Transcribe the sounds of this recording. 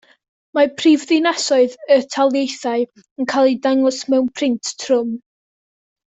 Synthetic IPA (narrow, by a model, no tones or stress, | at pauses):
mapʰrivðɪnasɔɨðətʰalˠjejθaɨ | ənkʰajlˠidaŋɔsmɛwnpʰrɪntʰtʰrʊm